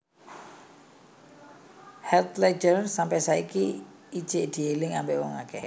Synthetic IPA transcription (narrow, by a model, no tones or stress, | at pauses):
hɛlt̪led͡ʒərsampɛsaikiː | d̥ʒ̥ɪʔd̪̥i̤elɪŋambeʔwɔŋa̰kɛ